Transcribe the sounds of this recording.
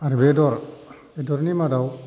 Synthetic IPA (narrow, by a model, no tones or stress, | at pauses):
aɾibedɔɾ | bedɔɾnimadaw